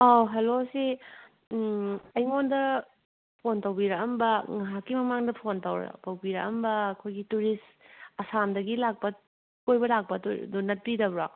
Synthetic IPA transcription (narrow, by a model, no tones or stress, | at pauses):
aɦelosi | ɐjŋondɐ | pʰontɐwbiɾɐkɐmbɐŋɐɦakːimɐmaŋdɐpʰontɐwɾɐ̰pɐwbiɾɐ̰ʔɐ̰mbɐːkʰojɡituɾis | ɐsamdɐɡilak̚pɐ | kojbɐlak̚pɐtoɾdonɐt̚pidɐbɾa